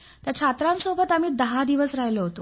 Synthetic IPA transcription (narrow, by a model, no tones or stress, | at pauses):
t̪jat͡ɕʰat̪ɾãnsobʱət̪am̤iːd̪əɦãd̪iʋəsɾajləɦot̪o